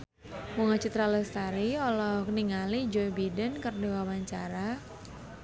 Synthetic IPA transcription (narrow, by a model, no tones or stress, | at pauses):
muŋat͡ʃit̪ɾaləst̪aɾiɔlɔkniŋalid͡ʒɔjbidənkərniwawaɲt͡ʃaɾa